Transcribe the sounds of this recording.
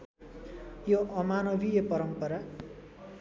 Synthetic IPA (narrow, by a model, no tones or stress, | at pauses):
joʔʌmanʌbʱijʌpʌɾʌmpʌɾa